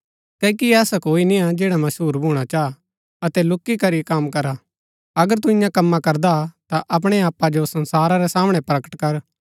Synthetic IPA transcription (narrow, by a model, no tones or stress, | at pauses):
kɛːikiɛːsakoːinɪ̃jãd͡ʒɛːɽamɐsɦuːɾbʱuːɽ̃at͡ʃaː | ɐt̪ɛlʊkːikɐɾikaːmkɐɾa | ɐɡəɾt̪uɪ̃jãkɐmːakɐɾd̪at̪aʔɐp̬ɽ̃eaːpːad͡ʒosɐ̃nsaːɾaɾɛsaːmɽ̃ɛpɾɐkə̥ʈkɐɾ